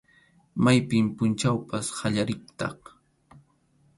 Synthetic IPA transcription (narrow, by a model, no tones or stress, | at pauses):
majpɪmpʊnt͡ʃawpashaʎaɾɪk̚t̪ɑ̰χ